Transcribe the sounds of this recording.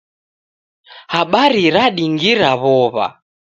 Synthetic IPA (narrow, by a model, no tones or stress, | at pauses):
haɓaɾiɾaɗiŋɡiɾaβɔβa̰